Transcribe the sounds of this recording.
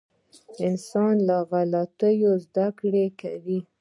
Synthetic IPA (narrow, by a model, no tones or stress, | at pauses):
ɪnsɑnlaɣalat̪əjozd̪akɽekawi